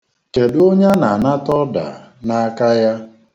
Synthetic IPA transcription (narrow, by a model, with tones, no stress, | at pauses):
ke˨do˦ɲa˦na˨a˨na˦tɔ˦da̰˨na˦a˦ka˦ja˦